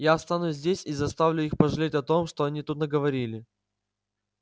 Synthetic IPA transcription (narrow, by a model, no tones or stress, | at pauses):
jast̪anuzʲdʲesʲizɐst̪avlʲʊixpəʐɨlʲetʲɐt̪o̞mʂt̪o̞ɐnʲit̪ut̪nəɡəvɐɾʲilʲɪ